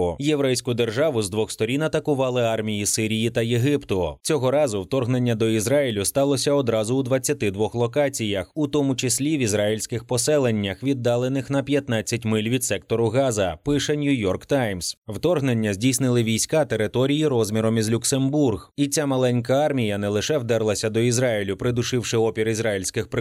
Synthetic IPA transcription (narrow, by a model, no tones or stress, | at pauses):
jeʋɾɛjsʲkʊd̪erʒɑʋʊzd̪ʋɔxst̪ɔɾʲinɐt̪ɐkʊʋɑlˠɪɑrmʲijisɪɾʲijit̪ɐjeɦɪpt̪ʊt͡sʲɔɦɔɾɑzʊwt̪ɔrɦne̞nʲːɐd̪ɔizɾailʲʊst̪ɑlˠɔsʲɐɔd̪ɾɑzʊud̪ʋɐt͡sʲːɐt̪ɪd̪ʋɔxlˠɔkat͡sʲijɐxʊt̪ɔmʊt͡ʃɪsʲlʲiʋʲizrailʲsʲkɪxpɔsɛlˠe̞nʲːɐxʋʲid̪ːɑlˠenɪxn̪ɐpʲjɐt̪nat͡sʲːɐtʲmɪlʲʋʲid̪sɛk̚t̪ɔɾʊɣɑzɐpɪʃɛnʲujɔrkt̪ajmswt̪ɔrɦnenʲːɐzʲdʲijsnɪlˠɪʋʲijsʲkat̪eɾɪt̪ɔɾʲijiɾɔzmʲiɾɔmizlʲʊksemburɣit͡sʲamɐlˠɛnʲk̬ɐɑrmʲijɐnɛlˠɪʃɛwd̪ɛɾlˠɐsʲɐd̪ɔizɾɑjilʲʊpɾɪd̪ʊʃɪwʃɪɔpʲiɾizɾajilʲsʲkɪxpɪ